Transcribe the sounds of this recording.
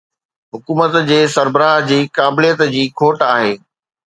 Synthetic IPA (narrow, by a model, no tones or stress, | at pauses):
ɦʊkuːmət̪d͡ʑeːsɐɾbəɾaːɦd͡ʑiːkaːbɪlijət̪d͡ʑiːkʰoːʈaːɦeː